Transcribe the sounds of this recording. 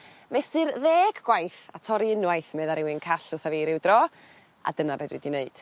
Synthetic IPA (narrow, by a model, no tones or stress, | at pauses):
mɛsɨrðeːɡɡwajθatʰɔɾiɪnwajθmɛðaɾɪwɪnkʰaɬʊθaveɾɪwdrɔ | a̰dənabɛdwṵdineɨd̥